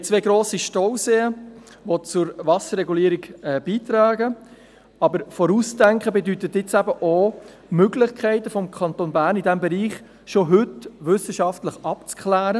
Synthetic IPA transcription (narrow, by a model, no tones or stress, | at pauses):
t͡sʋeːɡɾoːsiʃtowseːə | ʋot͡sʊɾvɑsəɾɛɡuliːɾiɡɛb̥iːt̪ɾɑːɡə | ɑbəɾfɔɾuːsdæŋkχəbɛd̪yt̪ət̪ɪt͡sæbəʔo | møɡlɪχkʰɛɪtəfɔmkʰɑntonbæːɾnidæmbɛɾiːχ | ʃoɦʏtʋʏsəʃɑftləχɑpt͡skχlæːɾə